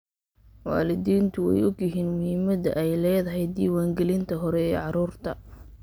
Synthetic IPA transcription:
wa̰ːlɪðiːnt̪ʰʊwɛ̰jɔɡjɪɦiːnmʊhɪmɐðɐ̰ʔɛjlɛːðɐɦɛjd̪iːwaːŋɡɛlɪnt̪ʰɐɦɔɾɛɛːʕɑɾuːrt̪ʰɐ

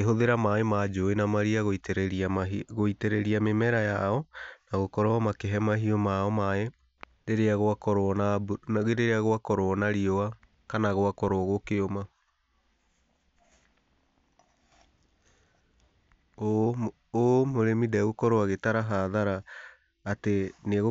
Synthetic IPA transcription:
eɦoðeɾamaemad͡ʒoenamaɾiaɣ | ɣoiteɾɛɾiamemɛɾajaɔnaɣokɔɾoɔmakeɦɛmaɦiɔmaɔmaɛ | ɾeɾeaɣoakɔɾɔnabaɣeɾeɾeaɣoakɔɾoɔnaɾiɔa | kanaɣwakɔɾoɔɣokeoma | omoɾemidɛɣokɔɾowaɣetaɾaɦaːðaɾaː | teneɣo

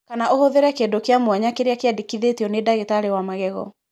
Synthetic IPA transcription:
kanaʔohoðeɾɛkedokeamwaɲakeɾeakeadikiðetiɔnedaɣetaɾewamaɣɛɣɔ̰

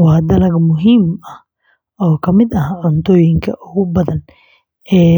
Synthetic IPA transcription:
waːd̪ɐlɐɡmʊɦimɐh | ɔːkʰɐmɪd̪ɐɦʕʊnt̪ɔjɪŋkʰɐʔʊɣʊbɐðɐn | ɛː

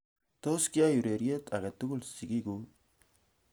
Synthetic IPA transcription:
t̪oskiajuɾeɾiet̪ʰaɡet̪ːuɡulsiɡiɡu

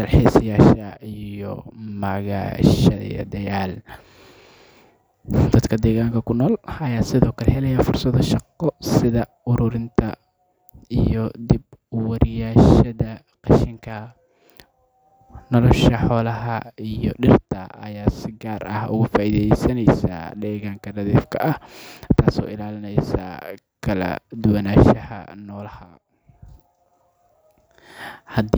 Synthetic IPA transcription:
d̪ɐlħɛːsɪjaːʃɐijɔmɐɣa̰ːʃɐðɐ̰ḭjɐ̰d̪ɐjaːl | d̪ɐd̪kʰɐd̪ɛːɣaːŋkʰɐkʰʊnɔːlɐjaːsɪðɔːkʰɐlɛhɛlɛjɐfʊrsɐðɐʃɑqːɔsɪðɐ | ʊɾʊɾɪnt̪ʰɐ | ijɔd̪ɪb | wɐɾɪjaːʃɐðɐ | qɑʃɪŋkʰɐ | nɔlɔʃɐħɔːlɐɦɐijɔ̰ɖɪrt̪ʰɐɐ̰jaːsɪɡaːɾʔɐhʊ̰ɣʊfaːʔiːðɛjsɐnɛjsa̰ːɖɛːɣaŋkʰɐnɐðiːfkʰɐʔɐht̪ʰaːsɔ̰ːɪlaːlɪnɛjsa̰ː | kʰɐlɐ̰d̪ʊwɐnaːʃɐhɐ̰nɔːlɐhɐ | hɐd̪

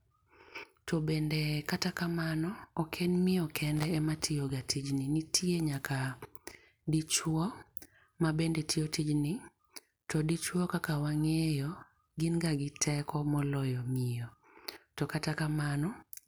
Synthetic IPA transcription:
tɔbendekatakamanɔɔkʰenmɪjɔkʰɛndɛɛmatʰɪjɔɡatid͡ʒninitʰieɲaka | dit͡ʃwɔ | mabendetʰɪotid͡ʒnɪ | tɔdit͡ʃwɔkakawaŋejɔ | ɡɪnɡaɡɪtʰɛkʰɔmɔlɔjɔmɪjɔ | tɔkatakamanɔ

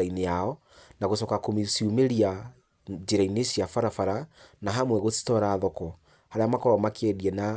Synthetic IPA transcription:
aineaɔ | naɣosɔkakomisiumeɾia | d͡ʑeɾaineɕjafaɾafaɾanaɦamwɛɣoti̥tɔɾaːðɔkɔ | haɾeamakɔɾɔmakɛðiɛna

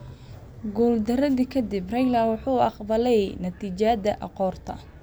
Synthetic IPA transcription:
ɡuːld̪ɐɾɐðikʰɐd̪ɪbrɛjlɐrwɑħuːɑqbɐlɛjnɐt̪ʰiːt͡ʃad̪ɐʔɑqɔːrt̪ʰɐ̰

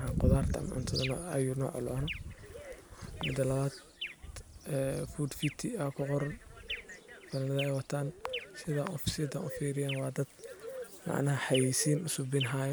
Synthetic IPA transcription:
ɦɐqʊðaːrt̪ʰɐ̰mʕʊ̰nt̪ʰɐðɐn̰ːjunɔ̰ːʕʊ̰lɔ̰nɔ | mɪ̰d̪ɐlɐβaːd̪ | ɛfuːd̪fit̪ʰiɐkʰʊqɔɾn | bɐlnɐðɐɛjwɑt̪ʰaːnsɪða̰ʊsɪd̪ɐʔʊfiːɾɪjaːnwɑːd̪ɐd̪mɑ̰ʕnɐɦɐħɑjisiːnʔʊsʊbɪnɦaːj

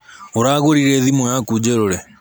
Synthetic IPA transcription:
oɾaːɣoɾiɾɛðimɔjakud͡ʑeɾoɾɛ

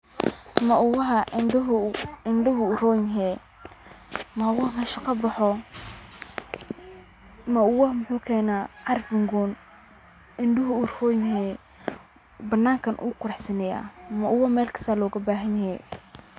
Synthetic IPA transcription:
mɐʊwɐɦɐnʊɪnɖɐɦʊʊrɔːjnɦɛ | mɐʊwɐnɐʃɐqɐbɑħɔ | mɐʊwɐmʊħuːkʰɛːnaʕɑrfɪŋɡɔːn | ɪnɖʊɦʊʊrhɔjnɦɛ | bɐnːaːŋkʰɐnʔṵːkʰʊɾɐħsɐnɛja̰ːmɐʔʊwɐmɛːlkʰɐ̥st̪aːlɔːɣɐbaːɦɐɲjajɛ̰j

